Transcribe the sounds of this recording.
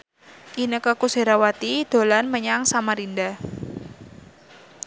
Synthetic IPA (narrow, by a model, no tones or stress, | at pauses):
ʔinəkəkuseɾawat̪id̪̥o̤lanməɲaŋsamaɾinda